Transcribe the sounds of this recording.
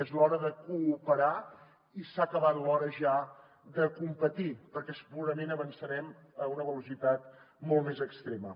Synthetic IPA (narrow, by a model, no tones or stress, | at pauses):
ezlɔɾəðəkuːpəɾa | isakəβat̪lɔɾəʒa | d̪əkumpət̪ipəɾkɛspuɾəmenəβənsəɾɛm | əunəβəlusit̪at̪̚ | mɔlˠtmezəkst̪ɾemə̰